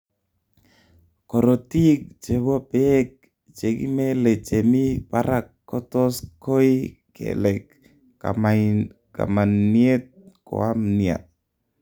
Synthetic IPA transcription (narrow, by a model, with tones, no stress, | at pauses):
kɔ˨ɾo˨ti˦k̚t͡ʃe˨bɔ˦pe˦k̚ | t͡ʃe˨ki˦me˦le˨t͡ʃe˨mi˦paɾakːɔ˦tɔ˦sko˦jkḛlɛ˨k | a | ka̰˨ma˨nnie˦t̪̚ko̰˨amnia̰˨